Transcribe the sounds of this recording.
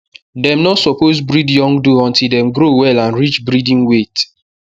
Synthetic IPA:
dɛ̃mnɔtsɔposbɹidjɔ̃ŋɡdoɔ̃ntildɛ̃mɡɾowɛlãnɹit͡ʃbɹidĩnwet

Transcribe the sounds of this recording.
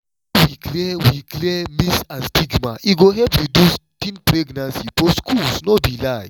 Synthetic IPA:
wiklɛwiklemisãnstiɡmãʔiɡoɦɛpɹidustĩnpɾeɡnãnsifɔskʰulsnɔbilaj

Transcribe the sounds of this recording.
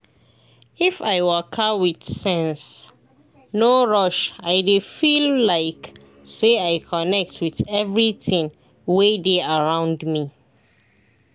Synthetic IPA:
ifaɪwəkʰawiθsɛ̃ns | noɹɔʃaɪdefillaɪk | seaɪkʰɔnɛk̚tʰwiθɛvɹiθĩŋ | wedeaɹãʊ̃ndmi

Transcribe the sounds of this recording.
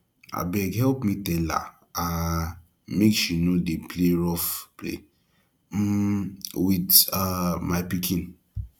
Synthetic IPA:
a̰bɛɡhɛlpmitɛla̰ | a | mekʃinodepleɹɔfplḛ | widamaɪpikʰĩn

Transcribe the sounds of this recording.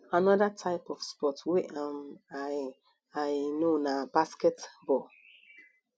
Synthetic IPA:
anɔdatʰaɪpɔfspɔtwɛʔama | aɪnonabaskɛtbɔ

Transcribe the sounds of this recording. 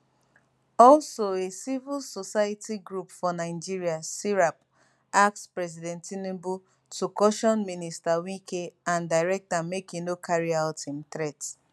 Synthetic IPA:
ɔlsoesivilsosajatʰiɡɹupfɔnaɪ̃d͡ʒiɹiasiɹap̚ | ak̚tspɹɛs̬idɛ̃ntinĩbu | tukɔʃɔ̃nmĩnistawĩkʰeãndaɹɛk̚tamekinokʰaɹiaʊtĩmθɹɛt

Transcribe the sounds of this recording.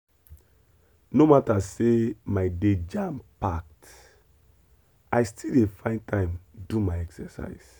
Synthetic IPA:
nomatasemaɪded͡ʒãmpak̚t | ajstʰildefãɪ̃ntʰãɪ̃mdumaɪɛksɛsa̰ɪs

